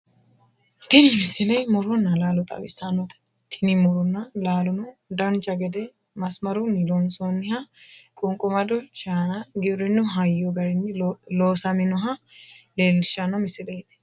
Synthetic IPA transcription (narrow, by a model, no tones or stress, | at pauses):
t̪ɪnɪmɪsɪlɐjmɔɾɔnːɐlaːlɔt̪ʼɐ̰wɪ̰sːanːɔt̪ɐ̥ | t̪ʰɪnɪmɔɾɔnːɐlaːlʊnʊd̪ɐnt͡ʃʼɐɡɛd̪ɛ | mɐsmɐɾʊnɪlonsonːɪhɐkʼʊŋkʼʊmɐd̪ɔʃaːnaɡɪɾɪnːʊɦɐjːɔɡɐɾɪnːɪloːsɐmɪnɔɦɐ | leːlːɪʃːanːɐmɪsɪlɛjt̪ɛ̥